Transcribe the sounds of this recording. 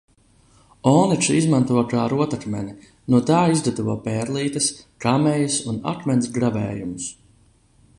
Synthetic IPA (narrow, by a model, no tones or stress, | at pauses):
ɔːnit͡ʃizmant̪uɔjkaːɾuɔt̪akmɛni | nuɔt̪aːizd̪ad̪uvuɔpɛːɾlˠiːt̪ɐskamɛjusuna̰kmɛnsɡɾavɛ̰ːjumus